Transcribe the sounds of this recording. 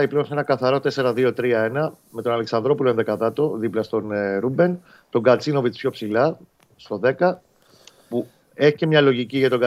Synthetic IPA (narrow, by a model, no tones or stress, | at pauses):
ɐiple̞onsenɐkɐθɐɾo̞t̪e̞se̞ɾɐðio̞t̪ɾiɐe̞nɐ | me̞t̪o̞nɐleksɐnd̪ɾo̞pulonðekɐðɐt̪o̞ðiplɐst̪o̞nɾube̞n | t̪o̞ŋɡɐt͡sino̞vit͡s̪pço̞psilɐ | st̪o̞ðe̞kɐ | pu | e̞çicemɲɐlo̞ʝiciʝɐt̪o̞ɡɐ